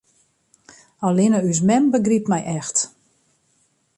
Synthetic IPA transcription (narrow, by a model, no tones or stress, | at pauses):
ɔlɪnəys̬mɛmbəɡripmɛjʔɛxt